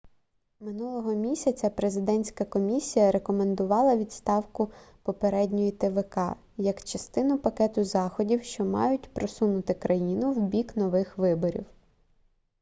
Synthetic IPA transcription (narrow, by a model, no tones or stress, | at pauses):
mɪnulˠɔɦɔmʲisʲɐt͡sʲɐpɾezɪd̪ɛnʲsʲkɐkɔmʲisʲijɐɾe̞kɔmend̪ʊʋɑlˠɐʋʲid̪st̪ɑwkʊpɔpeɾɛdʲnʲɔjit̪eʋekɑ̰ | jɐkt͡ʃɐst̪ɪnʊpɐkɛt̪ʊzɑxɔdʲiwʃt͡ʃɔmɑ̰jʊtʲpɾɔsunʊt̪ɪkɾʔɐjinʊwbʲiknɔʋɪxʋɪbɔɾʲḭw